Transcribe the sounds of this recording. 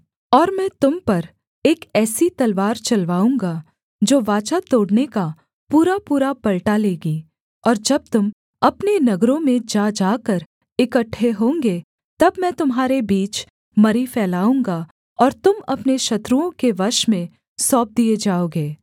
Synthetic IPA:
ɔːɾmɛ̃ːt̪ʊmpɐɾ | eːkɛːsit̪ɐlʋaːɾt͡ʃɐlʋaːũːŋɡa | d͡ʒoːʋaːt͡ʃat̪oːɽneka | puːɾapuːɾapɐlʈaleːɡi | ɔːɾd͡ʒɐb̚t̪ʊm | ɐpnenɐɡɾõmẽd͡ʒaːd͡ʒaːkəɾ | ɪkəʈʰːeɦõːŋɡe | t̪ɐbmɛ̃ːt̪ʊmɦaːɾebiːt͡ʃ | mɐɾifɛːlaːũːŋɡa | ɔːɾt̪ʊmɐpneʃɐt̪ɾuõkeʋɐɾʃmẽ | sɔːp̚d̪ied͡ʒaːoːɡeː

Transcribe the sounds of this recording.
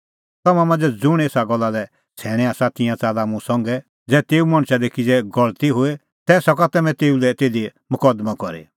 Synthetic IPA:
t̪ɐmãmãnd͡zɛd͡zʊɽ̃eːsaɡɔlːalɛ | t͡sʰɛːɽ̃ɛaːsat̪ɪ̃jãt͡saːlamũsɔ̃ŋɡɛ | d͡zɛːt̪eːumɐɽ̃ʃad̪ekid͡zɛɡɔɭt̪iɦoe | t̪ɛsɔkat̪ɛmɛ̃t̪eːulɛt̪eːd̪emʊkɔd̪makɔɾḛ

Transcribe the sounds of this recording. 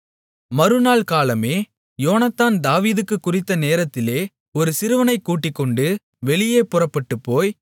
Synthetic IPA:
mɐɾɯnaːɭkaːlɐmeː | joːnɐt̪ːaːnd̪aːʋiːðɯkːɯkːʊrɪt̪ːɐneːɾɐt̪ːɪleː | ɔɾɯsɪɾɯʋɐnɐɪkːuːʈːɪkːɔɳɖɯ | ʋɛɭɪjeːpʊrɐpːɐʈːɯpːoːj

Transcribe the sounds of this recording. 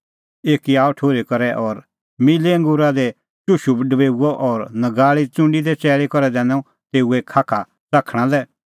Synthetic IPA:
eːkiaːɔʈʰoːɾikɐɾɛʔɔːɾ | mɪleə̃ŋɡʊɾad̪ɛ | t͡ʃʊʃubɖəbeːuɔʔɔɾnɐɡaːɭit͡sʊ̃ɳɖid̪ɛt͡sɛːɭekɔɾɛd̪ɛ̃ːnɔ̃ | t̪eːuekʰːaːkʰa | t͡saːkʰɽ̃ãlɛ

